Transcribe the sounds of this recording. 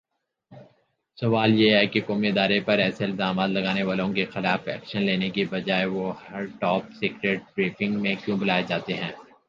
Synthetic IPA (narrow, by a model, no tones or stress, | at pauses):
sɐʋaːljeɦɛkekoːmiɪd̪aːɾepɐɾɛːseɪlzaːmaːt̪lɐɡaːneʋaːlõkexɪlaːfɛ̰ːkʃənleːnekibɐd͡ʒaːeʋohɐɾʈɔːp̚seːkɾeʈ̚bɾiːfɪ̃ŋɡmẽkjũːbɐlaːed͡ʒaːt̪eɦɛ̃ː